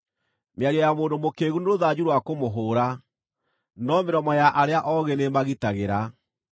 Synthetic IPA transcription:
meaɾiɔjamoːndomokeːɣuneɾoðad͡ʑuɾwakomoɦoːɾa | nɔmeɾɔmɔjaʔaɾeaʔɔɣɛnemaɣitaɣeɾa

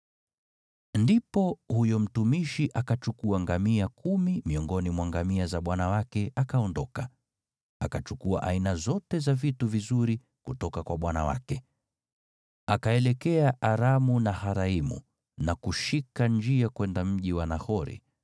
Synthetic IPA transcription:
ndipɔhujɔm̩tumiʃiʔakat͡ʃukuaŋɡamiakʰumimiɔŋɡɔnimwaŋɡamiazaɓwanawakɛakaɔndɔka | akat͡ʃukua̰ʔainazɔtɛzavituvizuɾi | kutɔkakwaɓwanawa̰kɛ | akaɛlɛkɛaʔaɾamunahaɾaimṵ | nakuʃikand͡ʒiakwɛndam̩ʄiwanahɔɾḭ

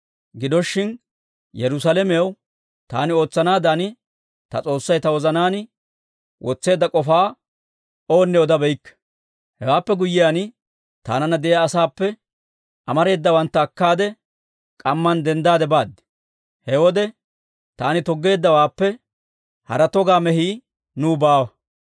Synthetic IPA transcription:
ɡɪd̪ɔʃːɪn | jɛɾʊsalɛmɛjɐw | t̪a̰ːnɪo̞ːt͡sːɐnaːd̪ɐnɪ | t̪ɐ̰t͡sʼo̞ːsːɐjt̪ɐwɔzɐnaːnɪ | wʔɔt͡sːe̞ːd̪ːɐkʼɔfaː | oːnːɛɔd̪ɐbɛjkː | hɛwaːpːɛɡʊjːɪjan | t̪a̰ːnɐnɐd̪ɛjaːsaːpːɛ | ʔɐmɐɾe̞ːd̪ːɐwɐnt̪ːɐːkːaːd̪ɛ | kʼɐmːɐnd̪ɛnd̪aːd̪ɛbaːd̪ːɛ̥ | hɛwɔd̪ɛ | t̪aːnɪt̪ɔɡːe̞ːd̪ːɐwaːpːɛ | hɐ̰ɾɐt̪ɔɡaːmɛɦiː | nuːbaːwɐ

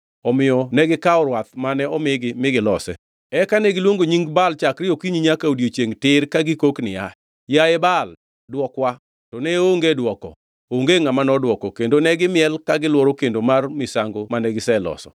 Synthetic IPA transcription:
ɔmɪjɔnɛɡɪkaɔɾwat̪manɛɔmɪɡɪmɪɡɪlɔsɛ̰ | ɛkanɛɡɪlwoŋɡoɲiŋɡbalt͡ʃakɾɪjokiɲiɲakaodjot͡ʃeŋtɪɾkaɡɪkoknɪja | jaɛbal | dwɔkwa | tɔnɛoŋɡedwɔkɔ̰ | oŋɡeŋamanɔdwɔkɔkendonɛɡɪmɪɛlkaɡɪlwɔɾokendomarmɪsaŋɡomanɛɡɪsɛlɔ̰sɔ̰

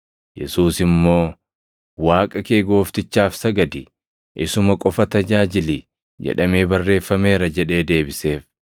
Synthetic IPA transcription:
jɛ̰suːsɪmːo̞ː | waːkʼɐke̞ːɡo̞ːft̪ɪt͡ʃːaːfsɐɡɐd̪ɪ | ʔɪsʊmɐkʼɔfɐt̪ɐd͡ʒaːd͡ʒɪli | d͡ʒɛ̰ᶑɐmeːbɐrːe̞ːfːɐme̞ːɾɐd͡ʒɛᶑe̞ːd̪e̞ːbɪse̞ːf

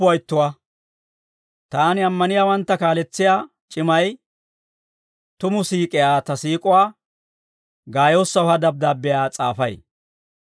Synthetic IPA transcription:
ʊɐjɪt̪ːʊwa | t̪aːnɪɐmːɐnɪjaːwɐnt̪ːɐkaːlɛt͡sːɪjaː | t͡ʃʼɪmɐj | t̪ʊmʊsiːkʼɪjaːt̪ɐsiːkʼʊwaː | ɡaːjo̞ːsːɐʊhɐd̪ɐb̚d̪aːbːɪjaːt͡sʼaːfɐj

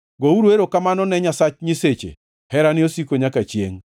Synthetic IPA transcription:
ɡouɾeɾokamanɔnɛɲasat͡ʃɲɪset͡ʃḛ | hɛɾanɪosikoɲakat͡ʃjḛŋ

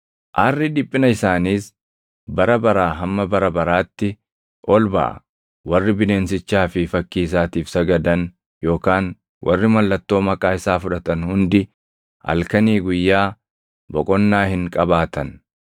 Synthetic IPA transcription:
ʔarːɪᶑɪpʼːɪnɐɪsaːniːs | bɐɾɐbɐɾaːɦɐmːɐbɐɾɐbɐɾaːt̪ːɪ | ʔɔlbɐ̰ʔɐ̰ | wɐrːɪbɪne̞ːnsɪt͡ʃːaːfɪfɐkːiːs̬aːt̪iːfsɐɡɐd̪ɐn | jo̞ːkaːn | wʔɐrːɪmɐlːɐt̪ːo̞ːmɐkʼaːɪsaːfʊᶑɐt̪ɐnhʊnd̪ɪ | ɐ̰lkɐniːɡʊjːaː | bɔkʼɔnːaːhɪŋkʼɐbaːt̪ɐn

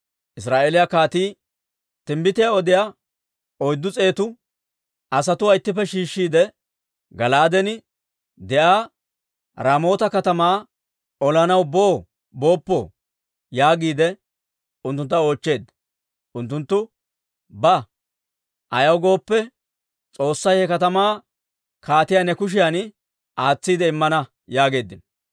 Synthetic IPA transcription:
ʔɪs̬ɾaːʔeːlɪjakaːt̪iː | t̪ɪmbɪt̪ɪjaɔd̪ɪja | ɔjd̪ːʊt͡sʼe̞ːt̪ʊ | ʔɐsɐt̪ʊɐɪt̪ːɪp̬ːɛʃiːʃːiːd̪ɛ | ɡɐlaːd̪ɛnɪ | d̪ɛʔaː | ɾaːmo̞ːt̪ɐkɐt̪ɐmaː | ɔlɐnɐwbo̞ː | bo̞ːpːɔ̰ | jaːɡiːd̪ɛ | ʊnt̪ːʊnt̪ːɐo̞ːt͡ʃːe̞ːd̪ | ʔʊnt̪ːʊnt̪ːʊ | bɐ | ʔɐjɐwɡo̞ːpːɛ | t͡sʼo̞ːsːɐjhɛkɐt̪ɐmaː | kaːt̪ɪjanɛkʊʃ̬ɪjan | ʔaːt͡sːiːd̪ɛɪmːɐnɐ | jaːɡe̞ːd̪ːɪn

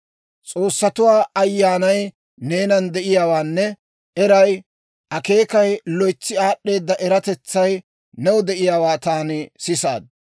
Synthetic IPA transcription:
t͡sʼoːsːɐt̪ʊwaːɐjːaːnɐj | ne̞ːnɐnd̪ɛʔɪjaːwaːnːɛ | ʔɛɾɐj | ʔɐke̞ːkɐjlɔjt͡sːɪaːɗːe̞ːd̪ːɐʔɛɾɐt̪ɛt͡sːɐj | nɛwʊd̪ɛʔɪjaːwaːt̪aːnɪsɪsa̰ːd̪̚

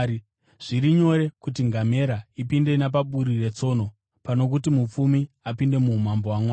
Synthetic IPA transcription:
ʐ̥iɾiɲo̞ɾe̞kutiŋɡame̞ɾaipinde̞nap̬aɓuɾire̞t͡so̞ːno̞ | pano̞kutimup͡fumi | apinde̞mumambo̞wamwaː

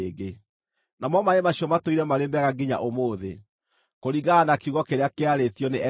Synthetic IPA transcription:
ɡe | namɔmaemaɕiɔmatoiɾɛmaɾembɛɣaɡiɲa̰ʔomoːðe | koɾiɣaːnakeuɣɔkeɾeakeaɾetijɔneʔɛ

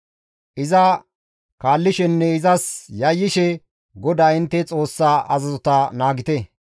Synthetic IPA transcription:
ʔɪzɐ | kaːlːɪʃɛnːɛɪzɐsjɐjːɪʃɛ | ɡɔd̪aːɪnt̪ːɛt͡sʼo̞ːsːaːʔɐzɐzɔt̪ɐnaːɡɪt̪ɛ

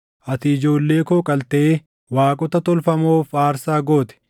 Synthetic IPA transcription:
ʔɐt̪ɪɪd͡ʒo̞ːlːe̞ːkoːkʼɐlt̪ɛʔeː | waːkʼɔt̪ɐt̪ɔlfɐmoːfaːɾsaːɡo̞ːt̪ɛ̥

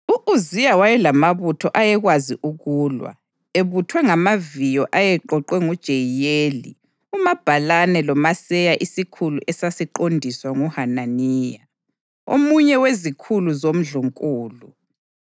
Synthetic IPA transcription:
uʔuzijawajɛlamaβutʰɔʔajɛɣwazḭʔuɣuːlwa̰ | eβutʰwɛŋamavijɔʔajɛǃɔǃwɛŋud̥ʒ̥ʱejjeːli | umab̥ʱalanɛlɔmasɛjaʔisikʰuluʔɛsasiǃondʱiswaŋuhananiːja | o̰muɲɛwezikʰuluzom̩ɮuŋkʼuːlu

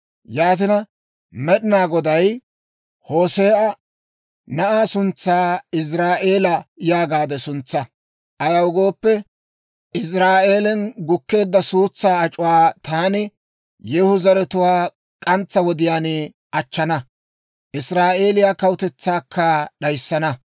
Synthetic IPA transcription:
jaːt̪ɪnɐ | mɛɗɪnaːɡɔd̪ɐj | ho̞ːse̞ːʔɐ | nɐʔaːsʊnt͡sːaːɪs̬ɾaːʔe̞ːlɐjaːɡaːd̪ɛsʊnt͡sːɐ | ʔɐjɐwɡo̞ːpːɛ | ɪs̬ɾaːʔe̞ːlɛnɡʊkːe̞ːd̪ːɐsuːt͡sːaːɐt͡ʃʼʊwaːt̪aːnɪ | jɛhʊzɐɾɛt̪ʊwaː | kʼɐnt͡sːɐwɔd̪ɪjaːnɪ | ɐt͡ʃːɐnɐ | ʔɪsɾaːʔe̞ːlɪjaːkɐwʊt̪ɛt͡sːaːkʰːɐɗɐjsːɐnɐ

